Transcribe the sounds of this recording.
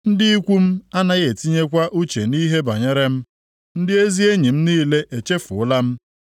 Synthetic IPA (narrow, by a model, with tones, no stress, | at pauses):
n̩˦dɪ˦i˦kʷu˦m̩˦a˦na˦ɣe˨ti˦ɲe˦kʷa˦ʔu˦t͡ʃe˨ni˦ɦe˦ba˨ɲe˦ɾe˦m̩˦ | n̩˦dɪ˦e˦zi˦e˦ɲi˨m̩˦niː˦le˦ʔe˨t͡ʃe˦fʊ˨ʊ˦la˦m̩˦